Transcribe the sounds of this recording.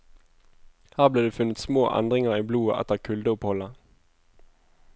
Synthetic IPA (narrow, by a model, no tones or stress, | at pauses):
hæːʁbleːd̪eːfʉnət̪smoːʔɛ̰nd̪ʁɪŋəʁiːbluːəʔɛ̰t̪əʁkʰʉld̪əʊphɔlə